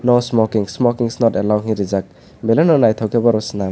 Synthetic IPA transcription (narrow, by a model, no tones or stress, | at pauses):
nosmɔkiŋsmɔkiŋsnɔtelawɦĩɾizak̚ | melenɔnajt̪ʰɔwkebɔɾɔsna